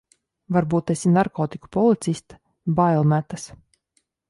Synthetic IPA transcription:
vaɾbuːt̪ɛsʲinaɾkɔːt̪iku̥pɔlˠit̪sisʲt̪ | bajlˠmæt̪as

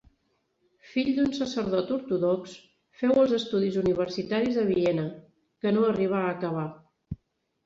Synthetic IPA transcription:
fiʎd̪unsəsəɾðɔt̪uɾt̪uðɔks | fɛwəlˠzəst̪uðizuniβ̞əɾsit̪aɾizðəβ̞iɛnə | kənoəriβ̞aːkəβ̞a

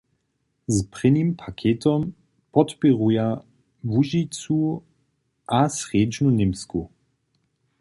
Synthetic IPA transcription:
zpʁɪnimpʰakʰeːt̪ɔm | pɔt̪pɛʁuja | vuʒit͡su | ʔasʁeːd͡ʒnunɪmsku

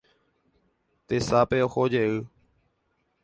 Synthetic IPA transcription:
t̪eːsaːpeːoːxoːd͡ʒeː

